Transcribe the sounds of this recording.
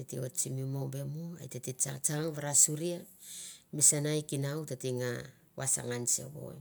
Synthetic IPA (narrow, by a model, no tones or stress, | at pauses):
etio̞t͡ʃimimombemua̰jtetit͡ʃat͡ʃaŋβaɾasuɾia | misanajkinawtatiŋa | wa̰sa̰ŋansḛβo̞̰j